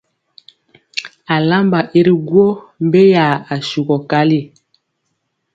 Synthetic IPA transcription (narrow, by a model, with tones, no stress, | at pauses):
a˨la˦mba˨ʔi˦ɾi˦ɡwo˦ | m˦be˦ja˨a˨su˨ɡɔ˨ka˦li˦˨